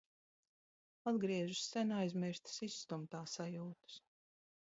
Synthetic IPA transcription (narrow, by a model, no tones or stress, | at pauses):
ad̪ɡɾiɛʒussænajzmiɾst̪sisːt̪umt̪aːsajuːt̪u̥s